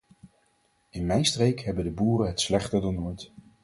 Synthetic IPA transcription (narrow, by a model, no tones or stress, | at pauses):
ɪnmɛjnstrejkɦɛbəndəbuːrəɦətslɛχtəɹdɑnoːjt